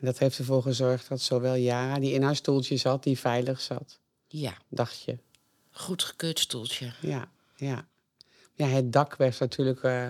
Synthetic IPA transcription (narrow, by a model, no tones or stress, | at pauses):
ɛndɔtheftəvoːxəzɔrxt̚dɔtsoʋɛlˠjaːrədiɪnhastulˠtjəsɔt̚difɛjləxsɔ̰t | dɔxtjə | χutχə̥køːtstulˠsjəja | ja | jaɦɛt̚dɑkʰʋɛrtnatʰyələk